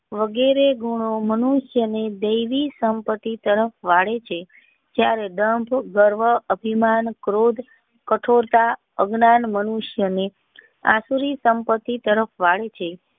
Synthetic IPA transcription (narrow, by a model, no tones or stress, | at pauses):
ʋəɡeɾeɡuɽ̃omənuʃjəned̪əjʋisəmpət̪ːit̪əɾəfʋaɭet͡ʃʰe | d͡ʒjaɾed̪əmbʱɡəɾʋəəbʱimankɾod̪ʱ | kəʈʰoɾt̪a | əɡnanmənuʃjəne | a̰suɾisəmpət̪ːit̪əɾəfʋaɭet͡ʃʰe